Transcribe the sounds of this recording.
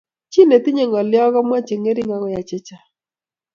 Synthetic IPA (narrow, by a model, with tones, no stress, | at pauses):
t͡ʃi˦ne˨tɪ˦ɲe˨ŋɔ˨lɪ˦ɔ˦ɣɔ˦mwa˦t͡ʃe˨ŋe˦ɾɪ˦ŋa˨˦ɡɔ˦ja˨t͡ʃɪ˦t͡ʃa˨